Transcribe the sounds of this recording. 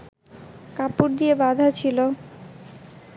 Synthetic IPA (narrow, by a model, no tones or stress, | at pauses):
kapuɾd̪ijebad̪ʱat͡ɕʰilo